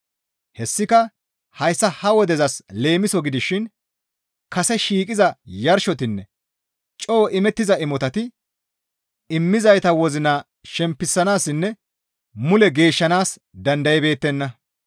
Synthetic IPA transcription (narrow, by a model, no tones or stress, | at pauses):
hɛsːɪkɐ | hɐjsːɐhɐwɔd̪ɛzɐsle̞ːmɪsɔɡɪd̪ɪʃɪn | kɐsɛʃiːkʼɪzɐjɐɾʃɔt̪ɪnːɛ | t͡ʃʼoːɔʔɪmɛt̪ːɪzɐɪmɔt̪ɐt̪ɪ | ɪmːɪzɐjt̪ɐwɔzɪnaː | ʃɛmpːɪsːɐnaːsːɪnːɛ | mʊlɛɡe̞ːʃːɐnaːs | d̪ɐnd̪ɐjɛbe̞ːt̪ːɛnːɐ